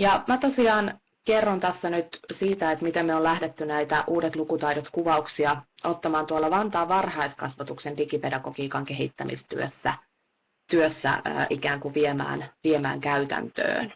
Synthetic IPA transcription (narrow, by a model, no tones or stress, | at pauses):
jɑmæt̪osiɑːn | kerːont̪æsːænyt̪siːt̪æet̪mit̪emmːeolæhdet̪ːynæit̪æʔuːdet̪lukut̪ɑidot̪kuʋɑuksiɑot̪ːɑmɑːnt̪uɑlːɑʋɑnt̪ɑːʋɑrhɑeskɑsʋɑt̪uksendikipedɑkokiːkɑŋkeɦḭt̪ːæ̰mḭst̪y̰ø̰sːæ̰ | t̪yøsːæ̰ːʔikæːŋkuʋiemæ̰ːnʋiemæ̰ːŋkæyt̪æ̰nt̪ø̰ːn